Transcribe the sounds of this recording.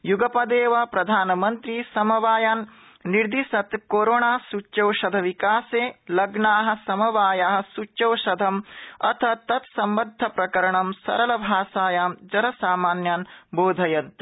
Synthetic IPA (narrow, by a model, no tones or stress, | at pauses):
juɡɐpɐd̪eːʋɐpɾɐd̪ʱaːnɐmɐnt̪ɾisɐmɐʋaːjaːnː | iɾd̪iʃɐt̪koːɾoːɳaːsut͡ʃːt͡ʃɐwʃɐd̪ʱɐʋikaːseːlɐɡɳaːɦɐ̆sɐmɐʋaːjaːɦɐ̆sut͡ʃːt͡ʃɐwʃɐd̪ʱɐmɐ̰t̪ʰɐt̪ɐt̪sɐmbɐd̪ʱːɐpɾɐkɐɾɐɳɐmsɐ̰ɾɐlɐbʱaːsaːjaːmd͡ʒɐɾɐsaːmaːnjaːnboːd̪ʱɐjɐnt̪